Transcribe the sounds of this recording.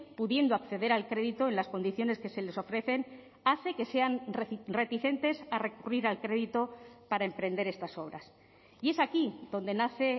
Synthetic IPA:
puðje̞nd̪oakθeðe̞ɾalkɾe̞ðit̪o̞enlasko̞nd̪iθjo̞ne̞ske̞se̞le̞so̞fɾe̞θe̞n | aθe̞ke̞se̞anre̞t̪iθe̞nt̪e̞sare̞kuriɾalkɾe̞ðit̪o̞paɾaempɾe̞nd̪e̞ɾe̞st̪aso̞β̞ɾa̰s | ie̞sakiðo̞nd̪e̞naθe̞

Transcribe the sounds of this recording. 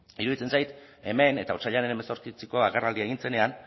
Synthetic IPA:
iɾuðit͡se̞nsajt̪ | e̞me̞ne̞t̪aoɾt͡ʃaʎanenemeso̞ɾkit͡seko̞aɣerald̪iaeɣint͡se̞ne̞an

